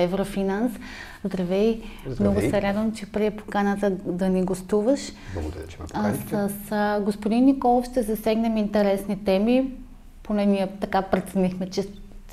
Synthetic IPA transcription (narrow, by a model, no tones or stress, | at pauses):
ɛvɾofinans | zd̪ɾɐvɛjmnɔɡʊsɛɾad̪vəmt͡ʃɛpɾiɛpo̥kanət̪əd̪ɐniɡost̪uvəʃ | səsɡospod̪inːikɔlˠofʃt̪ɛzɐsɛɡnɛmint̪ɛɾɛsnit̪ɛmi | ponɛnʲiɛt̪ɐkapɾɛt̪nixmɛt͡ʃɛ